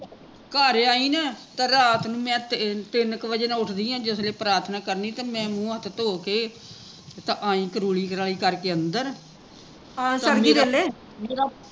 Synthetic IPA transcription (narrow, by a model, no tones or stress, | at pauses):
kaːɾeaːiːnɛːt̪ãːɾaːt̪ʰnũːmɛ̃ːt̪t̪ɪnkʋəd͡ʒəːnãːʊʈʰd̪iːãːd͡ʒɪsleːpɾaːɾt̪ʰnaːkəɾniːt̪ãːmɛ̃ːmũːət̪ʰt̪oːkeː | t̪ãːʔaːĩːkəɾuːliːkəɾaːliːkəɾkeːənd̪əɾ | aːsəmiːɾɛːleː | meːɾaː